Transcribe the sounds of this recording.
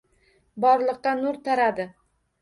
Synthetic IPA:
bɒɾlˠɨqːɑnʊɾt̪ʰaɾad̪ɪ

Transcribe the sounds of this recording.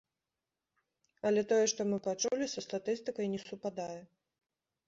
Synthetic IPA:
ɐlʲɛt̪ɔjɛʂt̪ɔmɨpat͡ʂulʲisɐst̪at̪ɨst̪ɨkɐjnʲɛsupad̪ajɛ

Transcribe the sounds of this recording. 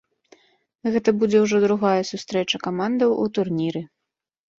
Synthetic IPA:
ɣɛt̪ɐbud͡zʲɛwʐɔd̪ɾuɣajɛsust̪ɾɛt͡ʂɐkamand̪ɐwut̪urnʲiɾɨ

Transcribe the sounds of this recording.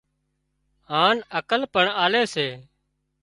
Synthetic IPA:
ɦaːnəkəlpəɳaːleːseː

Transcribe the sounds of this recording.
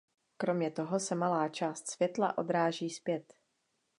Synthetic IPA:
kɾo̞mɲɛt̪o̞ɦo̞sɛmalaːt͡ʃaːst̪svjɛt̪la̰ʔo̞̰d̪ɾaːʒiːspjɛt̪

